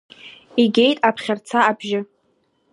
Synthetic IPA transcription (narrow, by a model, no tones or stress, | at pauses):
iɡʲejtʼapʰχʲart͡sʰaːbʒɪ